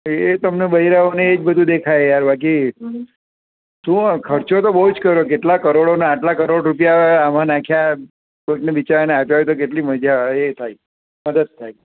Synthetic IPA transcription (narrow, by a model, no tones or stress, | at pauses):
et̪əmnebəɦiɾaoneːd͡ʒbəd̪ʱũd̪ekʰajjaɾbak̬i | t̪ũkʰəɾt͡ʃot̪obəɦud͡ʒkəɾok̬eʈlakəɾoɽoneaʈlakəɾoɽɾup̬jaam̤ãnãkʰja | pəʈneʋit͡ʃaɾneapajt̪ok̬eʈliməd͡ʒʱaet̪ʰaj | məd̪əd̪̚t̪ʰaj